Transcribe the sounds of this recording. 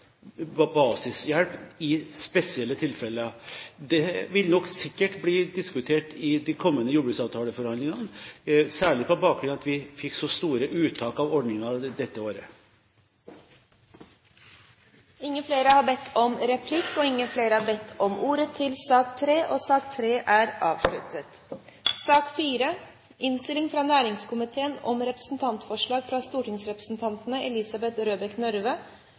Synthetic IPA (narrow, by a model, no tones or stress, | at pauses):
bɑːsɪsjælpɪspɛsɪɛlːət̪ʰɪlfɛlːəəd̪ɛʋɪlnɔksɪkːəʈbliːd̪ɪskʉt̪ʰeːʈɪd̪ɛkʰɔmːənəjuːblʉːsɑːʋt̪ʰɑːləfɔɾhɑnd̪lɪŋɑnsæːɭɪpʰɔbɑːk̚ɾʉnɑt̪ʋɪfɪkːsɔst̪uːɾəʔʉːt̪ʰɑːkɑʋɔɖnɪŋɑd̪ɛt̪ːəoːɾə | ɪŋːəfleːɾəhɑːbɛt̪ʰːɔmɾɛpʰlɪkːɔːɪŋːəfleːɾəhɑːɾbɛt̪ʰːɔmʔuːɾət̪ʰɪlsɑːk̚t̪ʰɾeːʔoːsɑːk̚t̪ʰɾeːʔæːɾɑ̰ːʋʂɭʉt̪ət̪ | sɑːkfiːɾə | ɪnst̪ɪlɪŋfɾɑnæːɾɪŋskʊmɪt̪ʰeːənɔmɾɛpɾə̥sn̩t̪ʰɑnt̪fɔʂɭɑːɡfɾɑst̪uːʈɪŋsɾɛpɾəsn̩t̪ʰɑnt̪nəʔɛlɪsɑbɛt̪ɾøːbəknœɾʋə